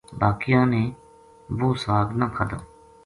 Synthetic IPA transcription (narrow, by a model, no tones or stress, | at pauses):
baːkɪjãːneː | boːsaːɡnãːkʰad̪o̰ː